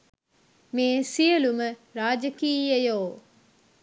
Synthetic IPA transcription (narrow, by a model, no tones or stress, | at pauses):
meːsiəluməɾaːd͡ʒəkiːjəjoː